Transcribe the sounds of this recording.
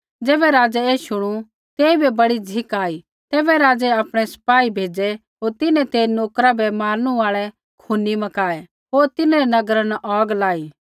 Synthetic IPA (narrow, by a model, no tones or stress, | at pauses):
d͡ʒeːbɛɾaːd͡ʒɛeːʃʊɽ̃u | t̪eːibʱɛbɐɽid͡zʱɪkaːi | t̪ɛːbɛɾaːd͡zɛapɽ̃ɛsɐ̥paːibʱeːd͡ʒɛ | ɦoːɾt̪ɪnɛ̃t̪eːnoːkɾabʱɛmaːɾəɽ̃uaːɭɛ | kʰunimɐkaːɛ | ɦoːɾt̪ɪnɛɾɛnɐɡɾanʔɔːɡlaːiː